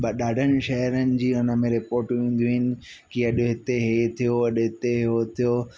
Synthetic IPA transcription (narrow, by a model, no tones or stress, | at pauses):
ɓɐɗaːɖʱənɪ̆ʃɐɦɾənɪ̆d͡ʑiːɦʊnə̆mẽɾɪpoːɾʈʋẽːn̆d̪iɦɪnɪ̆ | kiɐɗɦɪt̪eɦet̪ʰijoɐɗɦɪt̪eɦɪɦot̪ʰijo